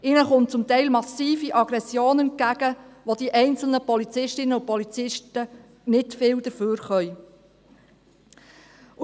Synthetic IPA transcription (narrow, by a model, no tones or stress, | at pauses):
ɪnəχʊnt͡sʊmtɛɪlmɑsiːfiʔɑɡ̥ɾɛsjoːnɛnkæɡ̥əʋod̥̪iʔɛɪnt͡sl̩nəpɔlit͡sɪʃtɪnəʊpɔlit͡sɪʃtə | nɪtfɪːld̥̪əɾføːɾχœj